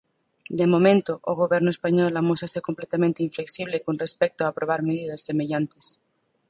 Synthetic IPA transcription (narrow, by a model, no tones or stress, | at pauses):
d̪emõmẽnt̪oʔoɣ̞oβjeɾnoespaɲolamosasekomplet̪amẽnt̪eiɱfleksiβlekonrespek̚t̪oaːpɾoβ̞aɾmeðiðasːeme̞ʎant̪es